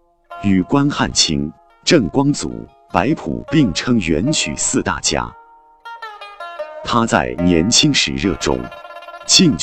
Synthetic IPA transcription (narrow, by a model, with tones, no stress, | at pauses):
y˨˩kwa˥nxa̰˥˩nt͡ɕʰḭ˥ŋ | ʈ͡ʂɤ˥˩ŋkwɑ˥ŋt͡sṵ˨˩˦ | pa˧˥ɪpʰṵ˨˩pi˥˩ŋʈ͡ʂʰɤ˥ŋɥɛ˧˥nt͡ɕʰy̰˨˩sɹ̩˥˧t̪a̰˥˩t͡ɕja̰˥ | t̪ʰa˥t͡sa̰˥˩ɪnjɛ˧˥nt͡ɕʰi˥ŋʂɻ̩̰˨˩ɻɤ̰˥˩ʈ͡ʂʊ̰˥ŋt͡ɕʰi˥˧ŋ